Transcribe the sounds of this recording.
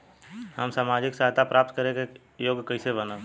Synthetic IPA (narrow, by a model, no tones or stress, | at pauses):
həmsaːmaːd͡ʒɪksaɦt̪apɾʔaːp̚t̪̚kəɾẽke | joːɡkəisebəna